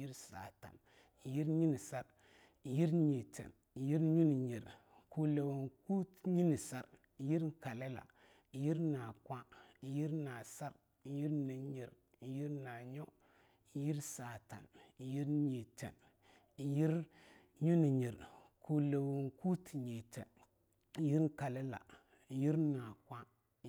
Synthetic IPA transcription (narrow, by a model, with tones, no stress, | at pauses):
ji˦ɾsa̰˨ta̰˨n | ji˦ɾɲi˦ni˨sa˦ɾ | ji˦ɾɲi˨tḛ˨n | ji˦ɾɲu˦ni˨ɲi˨ɾ | ku˨le˨wu˨nku˦tɲi˦ni˨sa˨ɾ | ji˦ɾka˨le˦la̰˨ | ji˦ɾna˨kʷa˦ji˦ɾna˨sa˦ɾ | ji˦ɾni˨ɲi˨ɾ | ji˦ɾna˨ɲo˦ | ji˦ɾsa˨ta̰˨nji˦ɾɲi˨tḛ˨n | ji˦ɾ | ɲu˦ni˨ɲi˨ɾku˨le˨wu˨ŋku˦tɲi˨tḛ˨n | ji˦ɾka˨le˦la̰˨ | ji˦ɾna˨kʷa˦